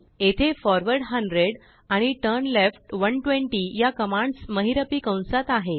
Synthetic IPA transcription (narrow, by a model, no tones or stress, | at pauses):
et̪ʰefɔɾʋəɾɽɦəɳɖɾeɽ | aɽ̃iʈəɾnlefʈʋəɳʈʋẽɳʈijakəmaɳɖsməɦiɾəpikə̃w̃sat̪aɦe